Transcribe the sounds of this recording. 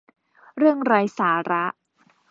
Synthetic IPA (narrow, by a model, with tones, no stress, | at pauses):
ɾɯ˥˩əŋɾaː˧jsaː˩˦ɾa˦˥ʔ